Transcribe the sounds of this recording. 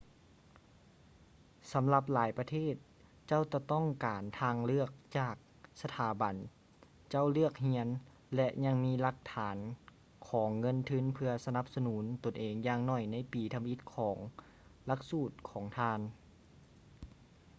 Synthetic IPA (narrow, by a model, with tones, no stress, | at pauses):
sa˨˦mla˧p̚laː˨˦jpa˧t̪ʰeː˥˩t̪̚ | t͡ɕa˥˩˨wt̪ɔ˧˩t̪ɔ˥˩ŋkaː˨˩nt̪ʰaː˧ŋlɯ˥˩ək̚t͡ɕaː˨˩k̚ | sa˧t̪ʰaː˨˩˦ba˨n | t͡ɕa˥˩˨wlɯ˥˩ək̚hi˧˥ən | lɛ˧ʔɲa˧ŋmiː˧˥˨la˧˦k̚t̪ʰaː˩˦n | kʰɔː˩˦ŋːɤ˧˥˨nt̪ʰɯ˧˥˨npʰɯ˧ɐsa˧na˧˦p̚sa˧nuː˩˦nt̪o˨˩nʔeː˨˩ŋjaː˧ŋnɔ˧˩jna˧˥˨jpiː˨˩t̪ʰa˧mʔi˧˥t̪̚kʰɔː˩˦ŋ | la˧˥k̚suː˧˩t̪̚kʰɔː˩˦ŋt̪ʰaː˧n